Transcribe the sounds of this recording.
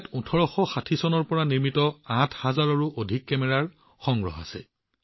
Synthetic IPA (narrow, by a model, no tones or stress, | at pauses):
tutʰɔɹɔxɔxatʰisɔnɔɹpɔɹaniɹmitɔãtʰhazaɹɔɹuʔodʱikːɛmɛɹaɹ | xɔŋɡɹɔ̰ɦa̰sɛ̰